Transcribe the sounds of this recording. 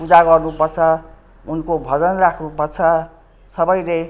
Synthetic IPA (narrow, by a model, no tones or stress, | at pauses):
pud͡zaɡʌrnupʌrt͡sʰʌ | unkobʱʌd͡zʌnrakʰnupʌrt͡sʰʌ | sʌbʌjle